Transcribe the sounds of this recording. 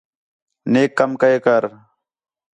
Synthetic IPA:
neːkːəmkəeːkəɾ

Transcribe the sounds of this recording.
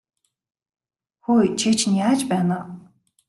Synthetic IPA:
xojt͡ɕʰit͡ɕʰnjaːt͡ɕpæːna

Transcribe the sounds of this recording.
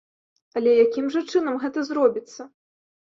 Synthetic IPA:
ɐlʲɛjakʲimʐɐt͡ʂɨn̪ɐmɣɛt̪ɐzrɔbʲit̪sːɐ

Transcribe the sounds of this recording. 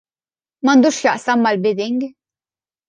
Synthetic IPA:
mɐnd̪uːʃjɐʔsɐmːɐlbɪd̪ɪŋɡ

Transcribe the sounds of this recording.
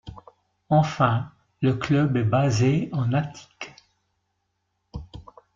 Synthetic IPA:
ɑ̃fɛ̃ | ləklœbɛbazeɑ̃nat̪ʰi̥k

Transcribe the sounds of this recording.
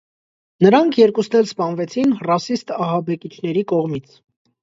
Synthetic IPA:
nəɾɑŋkʰjɛɾkusnɛlspɑnvɛt͡sʰinrɑsist̪ɑɦɑbɛkit͡ʃʰn̪ɛɾikɔʁmit͡sʰ

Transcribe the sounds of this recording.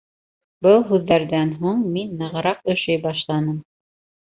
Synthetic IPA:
bɤlˠɦʉðːæɾðænɦuɴminːɤ̆ʁɤ̆ɾɑq̚ɵ̆ʃɘjbɑʃlˠɑnɤm

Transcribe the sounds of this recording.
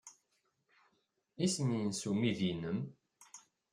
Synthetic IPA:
isəninsumiðinəm

